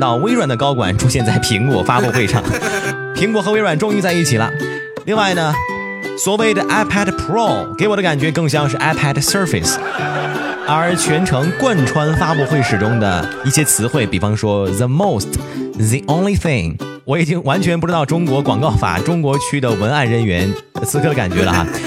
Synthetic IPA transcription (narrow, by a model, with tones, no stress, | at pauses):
t̪ɑ˥˩ʊwe˥ɪɻwa˨˩nd̪ə˦˧kɑ˥ʊkwa̰˨˩nʈ͡ʂʰu˥ɕjɛ˥˧nt͡sa˥˩ɪpʰi˧˥ŋkwɔ˨˩fa˥pu˥˧xwe˥˧ɪʂɑ̰˥˩ŋ | pʰi˧˥ŋkwɔ˨˩xɤ˧˥we˥ɪɻwa˨˩nʈ͡ʂʊ˥˧ŋi˥˧t͡sa˥˧ɪi˥˩t͡ɕʰi˨˩lə̰˦ | li˥˧ŋwa˥˩ɪnə˩ | swɔ˨˩we˥˩ɪd̪ə˩ʔa˥pʰa˥dpʰɹo˥˩ke˧˥ɪwɔ˨d̪ə˦ka˨˩nt͡ɕɥɛ˧˥kɤ˥˧ŋɕ̬jɑ˥ŋʂ̬ɻ̩˥˩ʔa˥pʰæ˥dsə˞˥˧fḭ˨˩s | ə˞˧˥t͡ɕʰɥɛ˧˥nʈ͡ʂʰɤ˧˥ŋkwa˥˩nʈ͡ʂʰwa˥nfa˥pu˥˧xwe˥˩ɪʂɻ̩˨˩ʈ͡ʂʊ˥ŋd̪ə̰˨˩ | i˥˩ɕjɛ˥t͡sʰɹ̩˧˥xwe˥˩ɪpi˨˩fɑ˧˥ŋʂwɔ˥ðə˨mo˥˩˧ʊst | ði˨˧ʔõ˥ʊnli˧θɪ̃˥˧˩ŋ | wɔ˧˥i˨˩t͡ɕi˥ŋwa˧˥nt͡ɕʰɥɛ˧npu˥˩ʈ͡ʂɻ̩˧˥t̪ɑ˥˩ʊʈ͡ʂʊ˥ŋkwɔ˧˥kwɑ˨˩ŋkɑ˥˩ʊfa̰˨˩ʈ͡ʂʊ˥ŋkwɔ˧˥t͡ɕʰy˥d̪ə˨wə˧˥na˥˩nɻə˧˥nɥɛ˧˥n | ə˩t͡sʰɹ̩˧˥kʰɤ˥˩ɾə˧ka̰˨˩nt͡ɕɥɛ̰˧˥lə̰˧xa̰˧